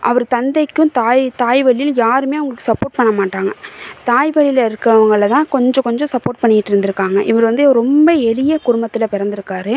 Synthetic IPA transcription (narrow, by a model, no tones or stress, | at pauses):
ʔɐ̰ʋɐɾɯt̪ɐnd̪ɐɪkːɯ̃mt̪aːjt̪aːjʋɐɭjɪljaːɾɯmeːʊŋɡɐɭɯkːɯ̥sɐpːoːɾʈ̚pɐɳːɐmaːʈːaːŋɡɐt̪aːjʋɐɭɪjɪlɐɪɾɯkːɐɐʋɐŋɡɐɭɭɐt̪ãːkɔɲd͡ʒɔ̃kɔɲd͡ʒɔ̃sɐpːoːɾʈ̚pɐɳːɪjɪʈːɯɾɯnd̪ɪɾɯkːaːŋɡɐʔɪʋɐɾɯʋɐnd̪ɯɾɔmbɐɛlɪjɐkʊɽʊmbɐt̪ːɪlpɪɾɐnd̪ɪɾɯkːaːɾɯ